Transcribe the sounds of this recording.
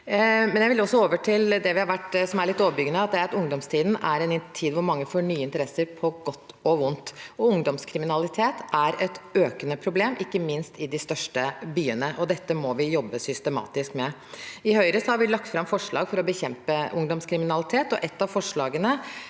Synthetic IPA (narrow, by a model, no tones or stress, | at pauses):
mɛnjæɪʋɪlɔsːɔoːʋəʈʰɪld̪ɛʋɪhɑɾʋæʈːsɔmæɾɭɪt̪ːoːʋəɾbʏɡənəɑt̪̚d̪ɛæɾt̪ʊŋd̪ɔmst̪ʰiːd̪n̩ʔæɾɛnɪnt̪ʰiːd̪ʋʊɾmɑŋːəfoːɳyːəɪnt̪əɾɛsːəɾpʰɔɡɔt̪ːɔʋʊnt̪ɔʊŋd̪ɔmskʰɾɪmɪnɑlɪt̪ʰeːt̪æɾɛt̪øːkənəpʰɾʊbleːmʔɪkːəmɪnst̪ɪd̪ɪst̪œʂʈəbyːənəʔɔd̪ɛt̪ːəmɔʋɪjɔbːəsʏst̪əmɑ̰ːt̪ɪskmɛ | ɪhœʏɾəsɔhɑʋɪlɑk̚t̪fɾɑmfɔʂɭɑ̰ːɡfɔɾɔbəçɛmpəʊŋd̪ɔmskʰɾɪmɪnɑlɪt̪ʰeːt̪ɔ̰ʔɛt̪ːɑʋfɔʂɭɑːɡənə